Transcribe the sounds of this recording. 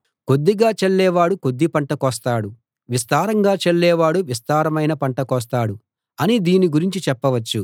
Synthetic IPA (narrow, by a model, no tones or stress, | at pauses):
ko̞d̪ːiɡaːt͡ʃeɭːɛːʋaːɽuko̞d̪ːipɐɳʈɐkɔːst̪aːɽu | ʋist̪aːɾɐŋɡaːt͡ʃeɭːɛːʋaːɽuʋist̪aːɾɐmɐjnɐpɐɳʈɐkɔːs̬t̪aːɽu | ɐnid̪iːniɡuɾiɲt͡ʃit͡ʃɛpːɐʋɐt͡ʃːu